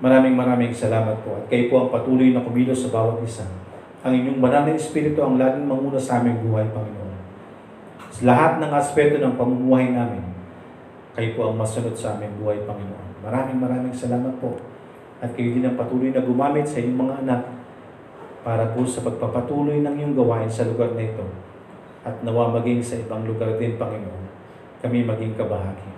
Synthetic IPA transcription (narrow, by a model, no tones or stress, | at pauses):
mɐɾaːmɪŋmɐɾaːmɪŋsɐlaːmɐt̪̚po̞ʔɐt̪̚kɐjʊpo̞ʔɐŋpɐt̪uːlojnɐkʊmiːlo̞sɐbaːwɐt̪̚ʔɪsa | ʔɐŋɪɲːo̞ŋbɐnannɐɛspiːɾɪt̪oʔɐŋlaːɡɪŋmɐŋuːnɐsɐʔaːmɪŋbuːɦɐjpɐŋɪnoʔo̞n | slɐɦat̪̚nɐŋʔɐspɛt̪o̞nɐŋpɐmumuːhɐjnaːmɪn | kɐjʊpoʔɐŋmɐsʊnod̪̚sɐʔaːmɪŋbuːhɐjpɐŋɪno̰ʔo̞̰nmɐɾaːmɪŋmɐɾaːmɪŋsɐlaːmɐt̪̚po̞ | ʔɐt̪̚kɐjud̪ɪnɐŋpɐt̪uːlojnɐɡʊmaːmɪt̪sɐʔɪɲoŋmɐŋaʔɐnak̚ | paːɾɐposɐpɐɡ̚papɐt̪uːlojnɐŋjʊŋɡɐwaːʔɪnsɐlʊɡaɾnɐʔɪt̪o̞ | ʔɐt̪̚nɐwamɐɡiŋsɐʔɪbaŋlʊɡaɾd̪ɪnpɐŋɪnoʔo̞n | kɐmimɐɡiŋkɐbɐɦaːɡɪ